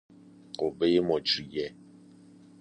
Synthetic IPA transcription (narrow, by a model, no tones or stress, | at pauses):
obejemɔt͡ʃijɛ